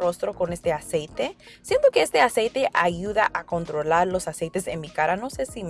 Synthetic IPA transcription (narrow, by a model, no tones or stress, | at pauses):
ro̞st̪ɾo̞ko̞ne̞st̪e̞ase̞jt̪e̞sje̞nt̪o̞ke̞est̪e̞ase̞jt̪e̞ʔaʝuðaʔako̞nt̪ɾo̞laɾlo̞sasejt̪e̞senmikaɾano̞se̞sim